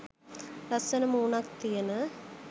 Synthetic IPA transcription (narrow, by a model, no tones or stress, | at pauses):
ɾɐsɐnɐmuːnakt̪ijɐnɐ